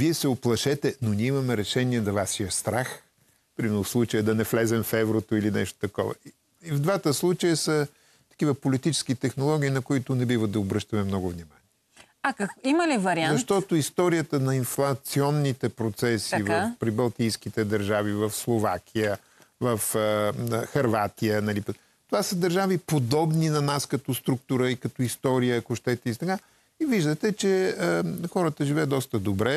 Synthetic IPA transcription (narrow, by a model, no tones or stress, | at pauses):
viɛsɛoplˠɐʃɛt̪ɛnoniimɐmɛɾɛʃɛniɛd̪ɐvasiɐst̪ɾax | pɾimɛlˠʊfslˠut͡ʃəjəd̪ɐnɛflɛzɛmfɛvɾot̪oilinɛ̰ʃt̪o̥t̪ɐkɔ̰vɐ̰i | ivd̪vat̪əslˠut͡ʃəjəsə | t̪ɐ̥kivəpolit̪it͡ʃɛ̥skit̪ɛxnolˠɔɡ̟ʲiːnɐkʊit̪ʊnɛbivəd̪ɐobɾɤʃt̪ɐmɛmnɔɡʊvnimaniɛ | akɐkiməlivɐɾianzɐʃt̪ɔt̪oist̪ɔɾijət̪ənɐinflˠɐt̪siɔnːit̪ɛpɾot̪sɛsivvɐfpɾibɐlˠt̪ijskit̪ɛd̪ɐɾʒavivɐfslˠovak̟ʰʲijə | vɐfəxɐɾvat̪ijənɐlip | t̪ovasəd̪ɐɾʒavipod̪ɔbninɐnaskɐt̪ost̪ɾuk̚t̪ʊɾəikɐt̪ɔist̪ɔɾijəːkoʃt̪ɛt̪ɛist̪ɐka | iviʒd̪ət̪ɛt͡ʃɛəxɔɾət̪əʒivɛjəd̪d̪ɔst̪əd̪obɾɛ